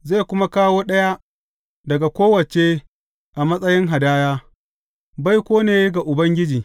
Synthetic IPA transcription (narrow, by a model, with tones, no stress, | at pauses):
zeː˦˨kʷʊ˦ma˦kaː˦woː˦ɗɐ˦ja˦ | dɐ˨ɡa˨kʷoː˦wɐ˨t͡ʃe˦ | ʔa˨mɐ˦sʼɐ˦jɪ˦ŋɦa˨daː˦jaː˦ | ba˦jkʷoː˦neː˨jɡa˨ʔʊ˨bɐ˦ŋɡʲɪ˦d͡ʒiː˨